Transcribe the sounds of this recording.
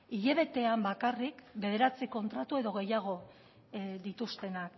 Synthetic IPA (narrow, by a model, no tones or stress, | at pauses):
iʎe̞β̞e̞t̪e̞ambakarikbe̞ðe̞ɾat͡siko̞nt̪ɾat̪ue̞ðo̞ɣ̞e̞jaɣ̞o̞ | ðit̪ust̪e̞nak